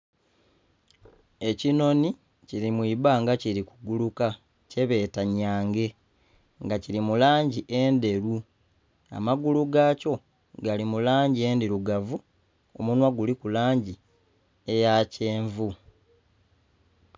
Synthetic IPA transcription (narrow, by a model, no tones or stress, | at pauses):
e̞cino̞ni | ciɾimwiːβaŋɡaciɾikuɡuluka | ce̞βe̞ːtaɲaːŋɡe̞ | ŋɡaciɾimulaːɲɟiʔe̞nde̞ɾu | a̰maɡuluɡaːco̞ | ɡalimulaːɲɟie̞ndeɾuɡavu | o̞̰munwaɡulikulaːɲɟi | ejaceːɱvu